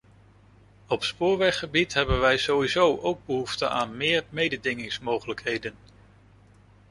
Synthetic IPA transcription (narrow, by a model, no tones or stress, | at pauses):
ɔpspʊːɹʋɛχːəbitɦɛbənʋɛjz̥owizowʔowɡ̚bəɦuftəʔaːnmɪːɹmejdədɪŋɪŋsmowχələkɦejdən